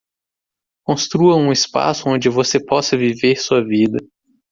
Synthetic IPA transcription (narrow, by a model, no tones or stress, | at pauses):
kõst̪ɾuɐũɪspa̰sʊõnd͡ʒɪvosepɔsɐviveɾsuɐvid̪ɐ